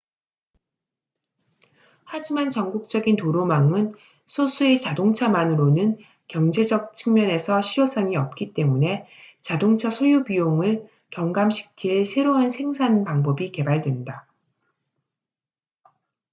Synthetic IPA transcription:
had͡ʑimant͡ɕʌŋɡuk̚t͡ɕ͈ʌɡintoɾomaŋɯn | sʰosʰue̞t͡ɕadoŋt͡ɕʰamanɯɾonɯn | kjʌŋd͡ʑe̞d͡ʑʌk̚t͡ɕʰɯŋmjʌne̞sʰʌɕʰiɾjosʰʌŋiʌp̚k͈it͈e̞mune̞t͡ɕadoŋt͡ɕʰasʰojubijoŋɯɭ | kjʌŋɡamɕʰi̥kʰiɭsʰe̞ɾoɯnsʰe̞ŋsʰanpaŋbʌbike̞baɭdwe̞nda

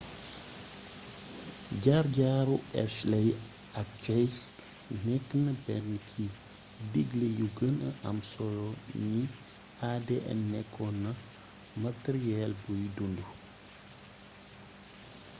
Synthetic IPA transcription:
ɟaɾɟaːɾuɛ̰slɛj | ɐkkɛjs | nɛkːnəbɛnkʰi | diɡlejuɡənəʔɐmsɔlɔni | adɛʔɛ̰nːɛkʰːɔnɐ | mɐteɾiɛlbujidundu

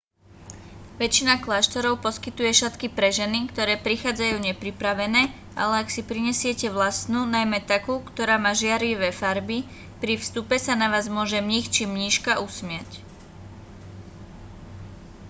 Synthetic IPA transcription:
ʋɛt͡ʃinaklaːʃt̪ɔɾɔʊpɔskit̪ujɛʃat̪kipɾɛʒɛnikt̪ɔɾɛːpɾixaːd͡zajuːɲɛpɾipɾaʋɛnɛː | ʔa̰lɛaksipɾiɲɛsɪɛcɛʋlast̪nuːnajmɛt̪akuːkt̪ɔɾaːmaːʒɪaɾiʋɛfaɾbi | pɾifst̪upɛsanaʋaːzmʊɔʒɛmɲixt͡ʃimɲiːʃkaʔusmɪac

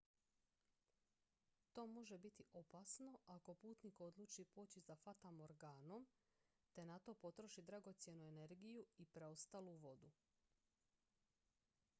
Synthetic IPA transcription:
t̪o̞ːmo̞ʒe̞bit̪iʔo̞pasno̞ʔako̞puːt̪niko̞d̪lˠuːt͡ʃipoːt͡ɕizafat̪amo̞ɾɡaːno̞m | t̪e̞nat̪o̞ːpo̞t̪ɾo̞ʃid̪ɾaɡo̞t̪sje̞nue̞ne̞ɾɡijuipɾeo̞st̪aːluʋo̞d̪u

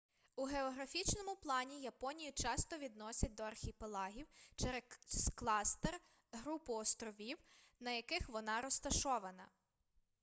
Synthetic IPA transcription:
uɦeɔɦɾɐfʲit͡ʃnɔmʊplˠɑnʲijɐpɔnʲijʊt͡ʃɑst̪ɔʋʲid̪nɔsʲɐt̚ʲd̪ɔɐrxʲipelˠɑɦʲiwt͡ʃɛɾesklˠɑst̪ɛr | ɦɾupʊɔst̪ɾɔʋʲiw | nɐjɐkɪxʋɔnɑɾɔst̪ɐʃɔʋɐnɐ̰

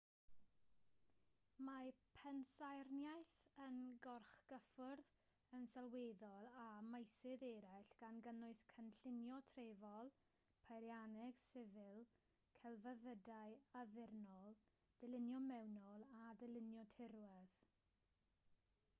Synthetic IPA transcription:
mapʰɛnsajrnjajθənɡɔrχɡ̥əfʊrð | ənsalˠweːðɔlˠamajsɪðɛɾaɬɡ̥anɡənʊɨskʰənɬɪnjɔtʰreːvɔlˠ | pʰajɾjanɛɡ̥sɪvɪlˠ | kʰɛlˠvəðədaɨaðɪrnɔlˠ | d̥ɛlɪnjɔmɛwnɔlˠadɛlɪnjɔtʰɪɾwɛð

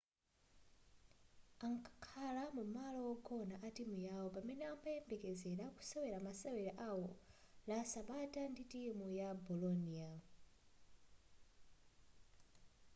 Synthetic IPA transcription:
aŋkʰḁkʰalamumalɔwɔɡɔnaʔatimujawɔpamɛnɛambajɛmbɛkɛzɛɾaku̥sawɛɾamasawɛɾaʔawɔ | lasaɓatʼanditʼimujabɔlɔnia

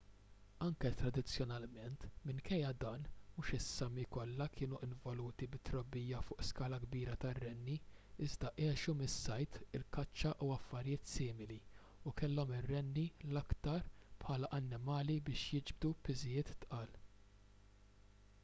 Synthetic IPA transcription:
ɐŋkɛt̪ɾɐd̪ɪt͡sːjɔnɐlmɛnt̪mɪŋkɛjːɐd̪ɐːnmuːʃɪsːɐmːikɔlːɐkʰɪːnuʔɪɱvɔluːt̪ibɪt̪ːɾɔbːijːɐfʊːʔskɐːlɐɡbiːɾɐt̪ɐrːɛnːi | ɪzd̪ɐʔɛːʃumɪsːɐjt̪ɪlkɐt͡ʃːɐʔuɐfːɐɾjɪːt̪sɪːmɪli | ʊkɛlːɔmɪrːɛnːilɐkt̪ɐɾpħɐːlɐʔɐnːɪmɐːlibɪːʃjɪd͡ʒb̚d̪upɪzɪjɪːt̪t̪ʔɐːl

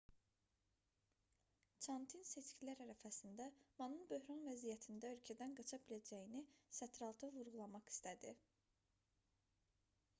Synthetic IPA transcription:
t͡ʃʰɑnt̪ʰinse̞t͡ʃcʰilæɾæɾæfæsind̪æmɑnɯnbø̞ɦɾɑnvæzijæt̪ʰind̪æølcʰæd̪ænɡɑt͡ʃʰɑbilæd͡ʒæjinisæt̪ʰɾɑlˠt̪ʰɯvuɾɣulˠɑmɑχi̥st̪æd̪i

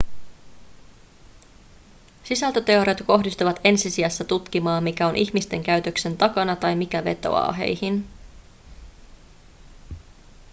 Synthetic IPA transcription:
sisælt̪øt̪e̞oɾet̪ko̞ɦdist̪uʋɑt̪e̞nsisiɑsːɑt̪ut̪k̟imɑːmːik̟æo̞nʔiçmist̪e̞ŋk̟æɥt̪ø̞kse̞nt̪ɑkɑnɑt̪ɑjmik̟æʋe̞̰t̪o̞̰ɑ̰ːɦe̞̰jhin

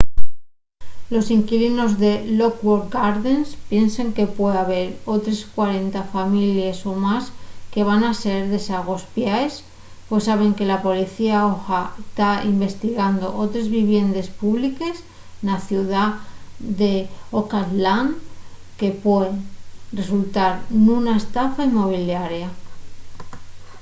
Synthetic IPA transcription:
lo̞siŋkilino̞zðe̞lo̞kwoɾɡaɾðenspje̞nseŋke̞pwe̞aβe̞ɾo̞t̪ɾe̞skwaɾe̞nt̪afamilje̞so̞maske̞β̞anase̞ɾðe̞saɣ̞o̞spjaes | pwe̞sːaβ̞e̞ŋke̞lapo̞liθiaoxat̪aimbe̞st̪iɣand̪o̞̰ʔo̞t̪ɾe̞zβiβje̞nd̪e̞spuβlike̞s | naθjuðad̪e̞okat̪lan | ke̞pweðre̞sult̪aɾnũnaest̪afaimo̞β̞iljaɾja

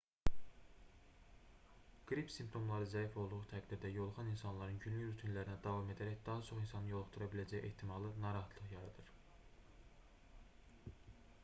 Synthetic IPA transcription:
ɡ̥ɾipsimp̚t̪ʰo̞mlˠɑɾɯzæifo̞lˠd̪uʁut̪ʰæɡd̪iɾd̪æjo̞lˠχɑninsɑnlˠɑɾɯnɟynlyɾyt̪ʰinlæɾinæd̪ɑvɑme̞d̪æɾæçd̪ɑɦɑt͡ʃʰo̞χinsɑnɯjo̞lˠuχt̪uɾɑbilæd͡ʒæje̞̰ht̪ʰimɑlˠɯnɑɾɑɦɑt̪ʰlˠɯχjɑɾɑd̪̥ɯɾ

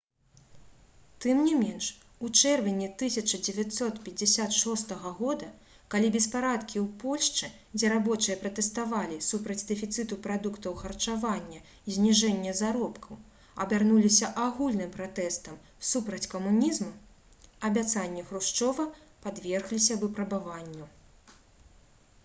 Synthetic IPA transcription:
t̪ɨmnʲimʲɛnʂ | ut͡ʂɛrvʲinʲɛt̪ɨsʲɐt͡ʂɐd͡zʲɛvʲat̪sɔt̪pʲɛd͡zʲːɪsʲat̪ʂɔst̪ɐɣɐɣɔd̪ɐ | kalʲibʲɛspaɾat̪kʲiwpɔlʲʂt͡ʂɨ | d͡zʲɛɾabɔt͡ʂɨjɐpɾɐt̪ɛst̪avalʲisupɾɐd͡zʲd̪ɨfʲit̪sɨt̪upɾad̪ukt̪ɐwxɐrt͡ʂavanʲːɐ | izʲnʲiʐɛnʲːɐzaɾɔpkʰɐw | ɐbʲarnulʲisʲɐʔaɣulʲnɨmpɾat̪ɛst̪ɐm | supɾɐt͡sʲkɐmunʲizmu | ɐbʲat̪sanʲːɛxɾuʂt͡ʂɔvɐ | pad̪vʲɛrɣlʲisʲɐvɨpɾɐbavanʲːu

